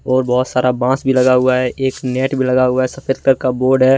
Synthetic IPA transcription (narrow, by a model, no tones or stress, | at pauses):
ɔːɾbɔɦʊt̪saːɾabãːsbʱilɐɡaɦʊaɦɛʔeːknɛːʈbʱilɐɡaɦʊaɦɛsɐpʰed̪kəɾkaboːɾɖɦɛː